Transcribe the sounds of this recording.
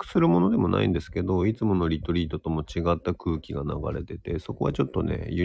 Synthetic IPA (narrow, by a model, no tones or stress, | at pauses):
kɯ̥sɨɾɯ̟mo̞no̞d̪e̞mo̞nʔa̰ḭ̃nd̪e̞sɨ̥ke̞d̪o̞it͡sɨmo̞no̞ɾʲit̪oɾʲiːt̪o̞t̪o̞mo̞t͡ɕiɡat̪ːakɯ̟ːkʲiɡana̰ɡa̰ɾe̞̰t̪e̞t̪e̞so̞ko̞βa̰t͡ɕo̞t̪ːo̞ne̞̰jɯ